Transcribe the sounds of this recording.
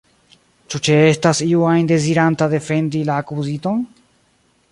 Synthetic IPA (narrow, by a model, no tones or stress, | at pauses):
t͡ʃut͡ʃee̞stasiuajnde̞ziɾantade̞fe̞ndilaːkuzito̞n